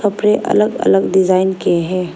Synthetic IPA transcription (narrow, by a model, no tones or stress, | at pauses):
kɐpɾeʔɐ̰ləɡɐ̰ləɡɖɪzaːɪnkieɦɛ̃ː